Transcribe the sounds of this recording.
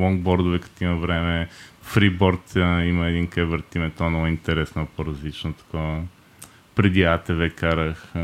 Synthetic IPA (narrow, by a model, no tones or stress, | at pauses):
lˠɔŋɡ̚bɔɾd̪ʊvɛkə̥t̪iməvɾɛmɛfɾibɔɾt̪əiməɛd̪inkɛvəɾt̪imɛnt̪ɔnɔint̪ɛɾɛsnopoɾɐzlit͡ʃnot̪ɐ̥ko | pɾɛd̪iat̪ɛvɛkaɾəx